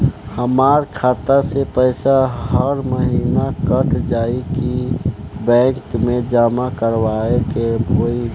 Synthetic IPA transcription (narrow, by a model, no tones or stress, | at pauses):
həmaːɾkʰaːt̪asepəɪsaɦəɾməɦiːnakəʈʰd͡ʒaːiki | bɛ̃ːŋkmẽd͡ʒaːmakəɾwaːekebʱoːi